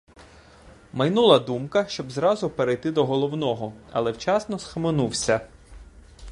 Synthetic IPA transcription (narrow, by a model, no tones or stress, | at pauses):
mɐjnulˠɐd̪umkɐʃt͡ʃɔbzɾɑzʊpeɾejt̪ɪd̪ɔɦɔlˠɔwnɔɦɔɐ̰lˠɛwt͡ʃɑsnɔsxɐmenuwsʲɐ